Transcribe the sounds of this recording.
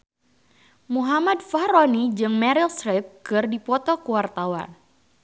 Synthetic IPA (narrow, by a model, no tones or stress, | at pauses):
muɦamadfaɾonid͡ʒɨŋmɛɾilsɾɪp̚kɨrdipɔt̪ɔkuwart̪awa̰n